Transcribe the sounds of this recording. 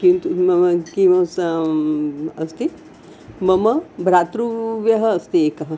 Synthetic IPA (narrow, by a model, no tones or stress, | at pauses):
kint̪umɐmɐkimɐs | ɐst̪i | mɐmɐbʱɾaːt̪ɾuʋjɐɦɐɐst̪ieːkɐɦɐ